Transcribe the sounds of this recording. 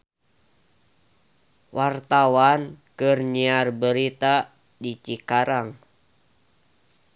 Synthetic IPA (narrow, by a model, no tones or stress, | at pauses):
wʔart̪awankɨrɲiarbəɾit̪a | dit͡ʃikaɾaŋ